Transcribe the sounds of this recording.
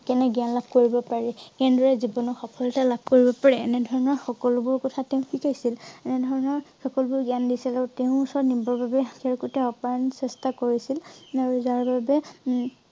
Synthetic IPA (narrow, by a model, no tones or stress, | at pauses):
kɛnɛɡianlab̚ʱkoɹibɔpaɹɛkɛndɔɹɛzibɔnɔxɔpʰɔlɔtalab̚koɹibɔpaɹɛːnɛdʱɔɹɔnɔɹxɔkɔlʊbʊɹkɔtʰatɛʊ̃pʰikajsilɛnɛdʱɔɹɔnɔɹxɔkɔlbʊɹɡiandisilaɹuteʊ̃usɔɹnimbɔɹbabɛkɛɹkutɛɔpaansɛstakoɹisilaɹuzaɹbabɛ